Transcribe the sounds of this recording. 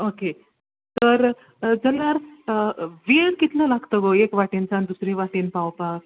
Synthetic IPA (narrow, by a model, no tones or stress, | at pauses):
oke | t̪əɾ | d͡zəlːaɾ | ʋiɳkit̪ləlaɡt̪əɡoekʋaʈint͡sand̪usɾeʋaʈinpawpak̚